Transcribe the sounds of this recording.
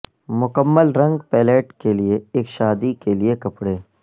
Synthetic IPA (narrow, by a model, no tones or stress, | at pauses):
mʊkəmːəlɾɐ̃ŋɡpɛːleːʈkelieeːkʃaːd̪ikeliekɐpɽeː